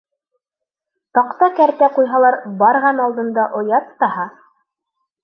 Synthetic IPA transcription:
t̪ɑqt̪ɑkæɾt̪æqujɦɑlˠɑɾbɑɾʁɑnɑlˠd̪ɤ̆nd̪ɑʔŏjɑt̪ːɑhɑ

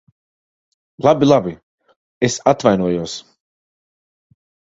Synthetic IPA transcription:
lˠabilˠabi | esat̪vajnuɔjuɔs

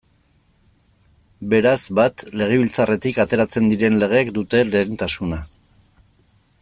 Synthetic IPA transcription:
be̞ɾazbat̪le̞ɣ̞e̞βilt͡sare̞t̪ikat̪e̞ɾat͡se̞nd̪iɾe̞nle̞ɣ̞e̞ːkd̪ut̪e̞le̞ent̪asuna

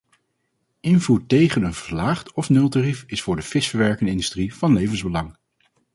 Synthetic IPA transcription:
ʔɪnvuːɹtejχənənv̥əɹlaːχtɔfnølˠtarifɪsfʊːɹdəfɪsfəɹʋɛɹkənɪndystriv̥ɑnlejvənzbəlɑŋ

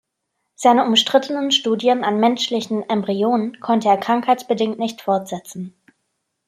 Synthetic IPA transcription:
z̥aɪnəʊmʃtʁ̥ɪtənənʃtuːdjənanmɛnʃlɪçn̩ɛmbʁioːnənkʰɔntəeːɐkʁ̥aŋkhaɪt͡sb̥ədɪŋtnɪçtfɔɐtz̥ɛt͡sn̩

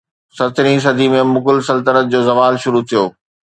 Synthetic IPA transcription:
sɐɾt̪ʰɪɾĩs̬ɐd̪ʱimẽmʊɡʊlsɐlt̪əɾət̪̚d͡ʑoːzɐʋaːlʃʊɾut̪ʰijo̰ː

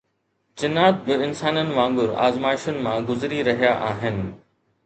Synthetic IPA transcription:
t͡ɕɪnaːt̪̚bɪɪnsaːnənɪ̆ʋãːŋbʊɾa̰ːzmaːɪʃʊnɪ̆mãɡʊzɾiɾɐɦijaʔaːɦɪnɪ̆

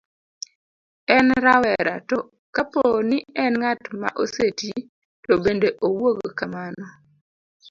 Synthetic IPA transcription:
ɛnɾawɛɾatɔ | kaponiɛnŋatma̰ʔoseti | tɔbendeʔowoɡokamanɔ

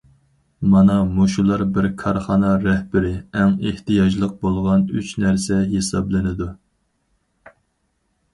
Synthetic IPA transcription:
mɑnɑmuʃulˠɑɾbɪɾkʰɑɾχɑnɑɾɛhbɪɾɪɛŋeht̪ɨjɑd͡ʒlˠəq̚bolˠʁɑnyt͡ʃnæɾsɛɦesɑblˠɨnɪd̪u

